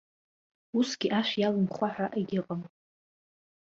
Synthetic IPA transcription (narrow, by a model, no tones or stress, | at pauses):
usɡʲiʔaʃʷjalɨmχʷaħaʔeɡʲɪqʼəm